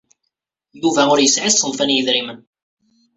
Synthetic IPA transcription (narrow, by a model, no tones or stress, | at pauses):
juvæʊɾjəsʕisənfænjəðɾimən